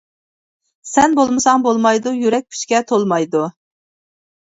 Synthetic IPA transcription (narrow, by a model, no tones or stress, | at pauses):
sɛnbolˠmɨsɑŋbolˠmɑjd̪ujyɾɛk̚ʲpʰʲy̥t͡ʃkʲɛt̪ʰolˠmɑjd̪u